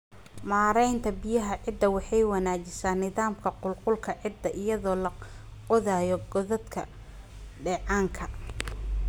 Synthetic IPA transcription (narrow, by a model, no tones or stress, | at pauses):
maːɾɛjnt̪ʰɐbɪjɐɦɐʕɪd̪ːɐwɑħɑjwɑnaːt͡ʃɪsaːnːɪðaːmkʰɐqʊlqʊlkʰɐʕɪd̪ːɐʔɪjɐðɔːlɐqɔðaːjɔɡɔðɐd̪kʰɐ̰ | ɖɛːʕɑːŋkʰɐ